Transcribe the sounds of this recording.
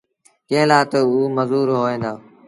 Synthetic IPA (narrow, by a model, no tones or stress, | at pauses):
kẽɦɪ̃laːt̪əuːməzuːɾɦoːẽːnd̪aː